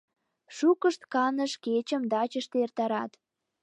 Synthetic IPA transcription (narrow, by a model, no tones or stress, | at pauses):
ʃukəʃt̪kɑnəʃket͡ɕə̆md̪ɑt͡ɕəʃt̪ert̪ɑɾɑt̪